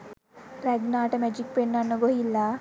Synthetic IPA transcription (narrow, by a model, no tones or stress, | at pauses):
ɾɐɡnaːʈɐmed͡ʒikpenːɐnːɐɡoilːa